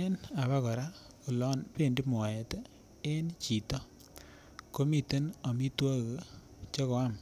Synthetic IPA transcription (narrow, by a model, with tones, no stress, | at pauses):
e˦na˨βa˦kɔ˨ɾa˦ | ku˨lɔ˦npe˨ndi˦m˨a˨jɛ˨te˦ | e˦nt͡ʃi˨tɔ˦ | ko˦mi˨te˦nɔ˨mi˦twa˦ɣ | t͡ʃe˦kɔ˨a˦m